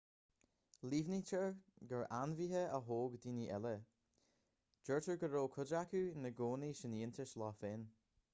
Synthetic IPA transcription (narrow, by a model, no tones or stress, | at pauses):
liːvnit͡ʃʰəɹɡəɹanviːɦəəɦoːɡdiːniʔɛlə | d͡ʒ̥əɹtəɹɡəɾoːkʰʊdakunəɡoːniʃɪniːntəʃlɑːfɪn